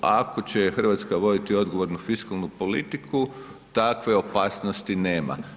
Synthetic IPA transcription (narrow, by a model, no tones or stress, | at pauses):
ʔako̞t͡ɕexr̩ʋat̪skaʋo̞d̪it̪io̞d̪ɡo̞ʋoɾnufiskalˠnupo̞lit̪ikʰu | t̪akʋe̞o̞paːsnost̪ineːma̰